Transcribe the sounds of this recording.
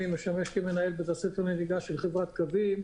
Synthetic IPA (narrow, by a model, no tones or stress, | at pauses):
imeʃameʃkemenae̞lbet̪asetoneliɡaʃelχevʁat̪kavim